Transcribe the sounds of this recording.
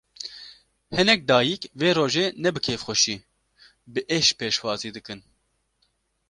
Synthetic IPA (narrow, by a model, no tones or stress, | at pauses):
hɛnɛk̚d̪ɑːjikveːɾoːʒeːnɛbɨkʰeːfxʷɛʃiː | bɨʔeʃpʰeːʃwɑːziːd̪ɨkɨn